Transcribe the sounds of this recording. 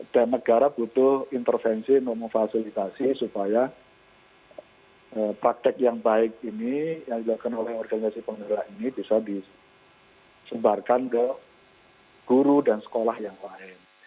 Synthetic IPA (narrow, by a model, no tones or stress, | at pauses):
d̥anːəɡ̥aɾab̥ut̪ʊhint̪ərfɛnsint̪ʊʔ̚məŋfasilit̪asisupaja | əpɾak̚t̪ɛk̚jaŋbaɪk̚inijaŋdilakanolɛhɔrɡanisasipəŋəlaʔinib̥isadi | səbarkankə | ɡ̥uɾudansə̥kolahjaŋpaɪn